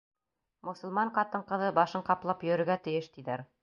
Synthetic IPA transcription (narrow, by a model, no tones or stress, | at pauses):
mŏsɤ̆lˠmɑɴqɑt̪ɤɴqɤ̆ðɤbɑʃɤɴqɑplˠɑpjɵ̆ɾɘ̆ɾɡæt̪ɘ̆jɘʃt̪iðæɾ